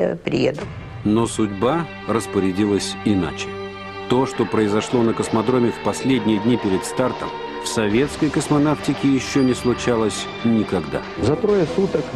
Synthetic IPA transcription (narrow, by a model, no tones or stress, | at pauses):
a̰pɾʲɪ̰jḛd̪ʊ | no̞sʊdʲba | rəspəɾʲɪdʲilˠəsʲɪna̰t͡ɕɪ̥ | t̪o̞ʂt̪o̞pɾəɪzɐʂlˠo̞nəkəsmɐd̪ɾo̞mʲɪfpɐsʲlʲedʲnʲɪjəd̪ʲnʲipʲɪɾʲɪt̪st̪art̪ə̰m | fsɐvʲe̞t̪skəjkəsmɐnaftʲɪkʲɪjɪɕːonʲɪslˠʊt͡ɕalˠəsʲ | nʲɪkɐɡd̪a̰ | zɐt̪ɾojəsut̪ək